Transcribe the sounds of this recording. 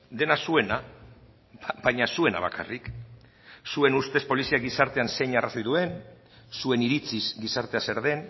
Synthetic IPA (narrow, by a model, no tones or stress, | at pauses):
d̪e̞nasue̞na | bajɲasue̞na̰βaka̰rik | sue̞nust̪e̞spo̞lisiaɡisaɾt̪e̞anse̞jɲarasojðue̞n | sue̞niɾit͡sisɡisaɾt̪e̞ase̞ɾð̞e̞n